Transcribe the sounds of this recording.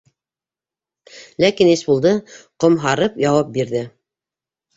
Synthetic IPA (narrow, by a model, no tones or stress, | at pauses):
lækinisbulˠd̪ɤqŏmɦɑɾɤpjɑwɑp̚biɾðɘ